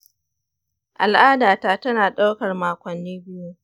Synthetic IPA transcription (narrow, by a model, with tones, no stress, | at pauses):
ʔa̰˨lʔaː˦daː˨taː˨tɐ˦naː˨ɗa˦wkɐ˨rmaː˨kʷɐ˨nːiː˦bɪ˦ju˦